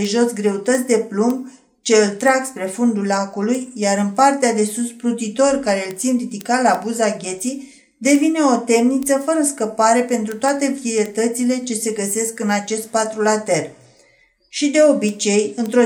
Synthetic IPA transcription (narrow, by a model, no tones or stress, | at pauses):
eʒo̞sɡɾe̞ut̪ət̪sʲd̪e̞plum | t͡ʃe̞ɨlt̪ɾaɡspɾe̞fund̪ulakulujjaɾɨnpart̪ead̪e̞susplut̪it̪o̞rkaɾe̞ɨlt̪sinrid̪ikalabuzaɡʲe̞t̪sij | d̪e̞vine̞o̞t̪e̞mnit̪səfəɾəskəpaɾe̞pe̞nt̪ɾut̪oat̪e̞viet̪ət̪sile̞t͡ʃe̞se̞ɡəse̞skɨnat͡ʃe̞st̪̚pat̪ɾulat̪e̞r | ʃid̪e̞o̞bit͡ʃe̞jɨnt̪ɾo